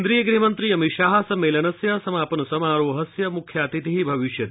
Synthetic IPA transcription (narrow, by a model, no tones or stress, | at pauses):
nd̪ɾiːjɐɡɾiɦmɐnt̪ɾiɐmiʃaːɦɐsɐmːeːlɐnɐsjɐsɐmaːpɐnɐsɐmaːɾoːɦɐsjɐmukʰjaːt̪it̪iɦibʱɐʋiʃjɐt̪